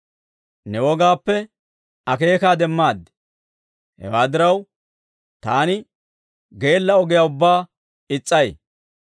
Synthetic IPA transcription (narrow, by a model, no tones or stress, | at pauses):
nɛwɔɡaːpːɛ | ɐke̞ːkaːd̪ɛmːaːd̪ːɛ | hɛ̰waːd̪ɪɾɐw | t̪aːnɪ | ɡe̞ːlːɐɔɡɪjaːʊbːaː | ɪt͡sʼːɐj